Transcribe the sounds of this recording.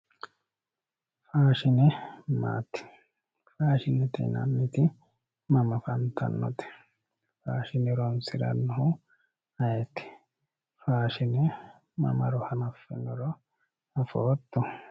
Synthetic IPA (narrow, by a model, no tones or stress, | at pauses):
faːʃɪnɛma̰ːt̪ɪ̥ | faːʃɪnɛt̪ɛ̰nɐmːɪt̪ɪ | mɐmɐfɐnt̪ʰɐ̰nːɔ̰t̪ɛ̥ | faːʃɪnɛɾɔnsɪɾɐ̰nːɔhʊ | ɐjɛt̪ːɪ̥ | faːʃɪnɛ | mɐ̰mɐɾɔhɐnɐfːɛnɔɾɔ | ɐfoːt̪ːɔ